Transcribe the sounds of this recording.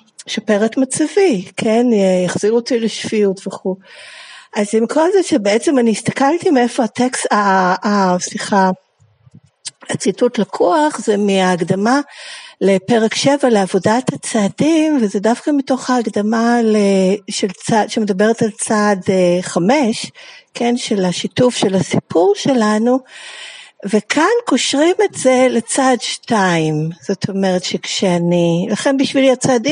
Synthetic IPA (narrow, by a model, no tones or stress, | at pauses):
ʃopeʁetmat͡sevikʰenejaχz̥iʁotileʃfiutveχu | ʔazimkʰolzeʃebeet͡se̞maniist̪akaltimeefo̞ateksaː | siχa | at͡situtlakʰuaχzemiaːɡdamalepe̞ʁekʃe̞valeavo̞dathat͡saːdimvezedafkamito̞χaːɡdamaleʃelt͡sadʃemedabe̞ʁetalt͡sadeχame̞ʃkʰe̞nʃe̞laʃitufʃe̞lasipʰuʁʃe̞lanu | ve̞kʰanko̞ʃʁime̞tz̥e̞le̞t͡sadʃtaimz̥o̞t̪ʰo̞meʁetʃekʃeanilaχe̞nbiʃviliat͡saːdi